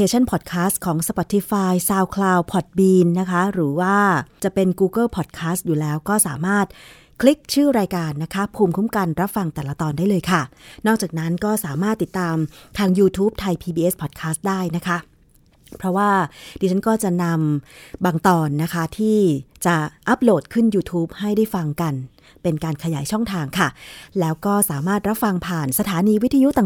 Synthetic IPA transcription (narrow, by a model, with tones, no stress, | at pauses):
kʰeː˧t͡ɕʰa˥˩npʰɔ˨˩t̪̚kʰaː˦˥st̪̚kʰɔː˩˦ŋsa˧pɔ˨˩t̪ʰːi˦˥faː˧jsaː˧wkʰlaː˧wpʰɔ˨˩t̪̚biː˧nːa˦˥kʰa˦˥ɾɯː˩˦waː˥˩t͡ɕa˨˩pe˧nkuː˧kɤ˥˩pʰɔ˨˩t̪̚kʰaː˦˥st̪̚juː˨˩lɛː˦˥wkɔː˥˩saː˩˦maː˥˩t̪̚ | kʰli˦˥k̚t͡ɕʰɯː˥˩ɾaː˧jkaː˧nːa˦˥kʰa˦˥pʰuː˧mkʰu˦˥mka˧nɾa˦˥p̚fa˧ŋt̪ɛː˨˩la˧t̪ɔː˧ndaː˥˩lɤː˧jkʰa˥˩nɔː˥˩k̚t͡ɕaː˨˩k̚na˦˥nkɔː˥˩saː˩˦maː˥˩t̪ːi˨˩t̪ːaː˧mt̪ʰaː˧ŋjuː˧t̪ʰuː˦˥p̚t̪ʰa˧jpʰiː˧biː˧ʔe˦˥spʰɔː˨˩t̪̚kʰaː˦˥st̪̚daː˥˩jna˦˥kʰa˦˥ | pʰɾɔ˦˥waː˥˩diː˧t͡ɕʰa˦˥nkɔː˥˩t͡ɕa˨˩na˧mbaː˧ŋt̪ɔː˧nːa˦˥kʰa˦˥t̪ʰiː˥˩t͡ɕa˨˩ʔa˦˥p̚loː˨˩t̪̚kʰɯ˥˩njuː˧t̪ʰuː˦˥p̚ha˥˩jdaː˥˩jfa˧ŋka˧n | pe˧nkaː˧nkʰa˧jaː˩˦jt͡ɕʰɔ˥˩ŋt̪ʰaː˧ŋkʰa˥˩lɛː˦˥wkɔː˥˩saː˩˦maː˥˩t̪̚ɾa˦˥p̚fa˧ŋpʰaː˨˩nsa˧t̪ʰaː˨˦niː˧wi˦˥t̪ʰa˧ju˦˥t̪aː˨˩